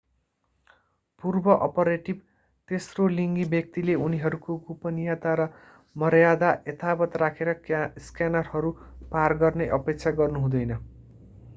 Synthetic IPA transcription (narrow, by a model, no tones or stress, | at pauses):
purbʌʔʌpʌɾeʈib̚ | t̪esroliŋɡibjʌk̚t̪ileuniɦʌɾukoɡupʌnijat̪aɾʌ | mʌrjad̪aʔjet̪ʰabʌt̪rakʰeɾʌskjanʌrɦʌɾuparɡʌrneʔʌpek̚t͡sʰaɡʌrnuɦũd̪ʌjnʌ